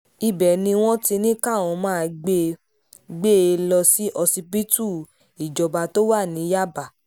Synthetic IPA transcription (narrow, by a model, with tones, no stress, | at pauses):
i˧bɛ˨nĩ˧w̃ɔ̃˦ti˧nĩ˦ka˦˨w̃ɔ̃˧mãː˦˧ɡ͡be˧ | ɡ͡be˦e˧lɔ˧si˦ʔɔ˧si˧pi˦tu˦˨ | i˨d͡ʒɔ˨˧ba˧to˦wa˦˨nĩ˨˦ja˦ba˨